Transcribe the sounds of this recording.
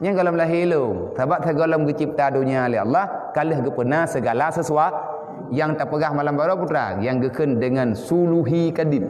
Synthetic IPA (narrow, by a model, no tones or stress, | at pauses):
ɲaɡɔlɔmlaɦiləŋsabap̚saɡɔlɔmɡit͡ʃip̚t̪adoɲalɛɦa̰lːahkaləhɡəpənasəɡalasəsua | jaŋt̪apəɡahmalambaɾaput̪ɾa̰jaŋɡəkəndəŋansuluɦikadim̚